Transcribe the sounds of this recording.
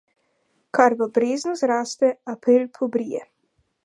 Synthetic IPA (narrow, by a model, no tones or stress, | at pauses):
kaɾbabɾeːznɔzɾaːst̪ɛapɾilpʰɔbɾijɛ